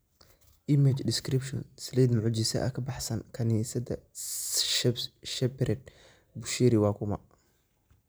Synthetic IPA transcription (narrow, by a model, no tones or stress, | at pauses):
ʔɪmɪt͡ʃdɪskɾɪpʃɔnsliːd̪mʊʕʊd͡ʒɪsɐ̰ʔɐ̰kʰɐbɑħsɐnkʰɐniːsɐd̪ɐ | ʃɛpɾɛd̪̚ | bʊʃiːɾɪwɑːkʰʊmɐ